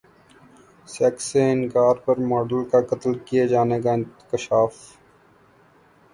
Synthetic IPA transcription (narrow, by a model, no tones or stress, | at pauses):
sɛːkseɪnkaːɾpɐɾmɔːɖəlkakɐt̪lkijed͡ʒaːnekaɪ̃nkɪʃaːf